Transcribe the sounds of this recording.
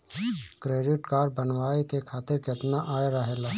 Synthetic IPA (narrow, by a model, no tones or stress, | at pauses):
kɾeːɖɪʈkaːɾbənwaːekekʰaːt̪ɪɾkɪt̪naʔaːeɾəɦeːlaː